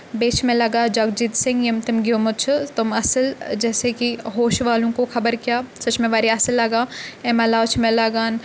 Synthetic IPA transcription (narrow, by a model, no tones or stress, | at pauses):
beːt͡ʃʰmẽlɐɡaːd͡ʒɐɡd͡ʒit̪sɪ̃ŋɡjɐmt̪ɪmɡjoːmʊt͡ʃʰʊt̪ʊmɐsəld͡ʒɛːsekiɦoːʃʋaːlõkoxɐbəɾkijaːsɐt͡ʃmẽʋaːɾiɐsəlːɐɡaːɛmɐlaːt͡ʃʰmẽlaɡaːn